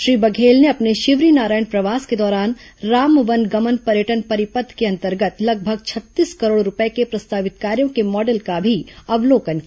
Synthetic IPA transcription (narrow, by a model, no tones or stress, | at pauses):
ʃɾiːbɐɡʱeːlneɐpneʃɪʋɾinaːɾaːjəɳpɾɐʋaːsked̪ɔːɾaːn | ɾaːmʋə̃nɡɐmənpɐɾjəʈənpɐɾɪpəd̪ʰʱkeɐ̃nt̪əɾɡət̪lɐɡ̚bʱəɡt͡ʃʰɐt̪ːiːskɐɾoːɽɾʊpəekepɾɐst̪aːʋɪt̪kaːɾjõkemɔːɖəlkabʱiɐʋloːkənk